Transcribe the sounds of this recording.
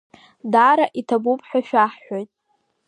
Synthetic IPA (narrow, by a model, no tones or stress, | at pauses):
daɾaʔitʰabupʼʰħʷᶣaʃᶣaħːo̞jtʼ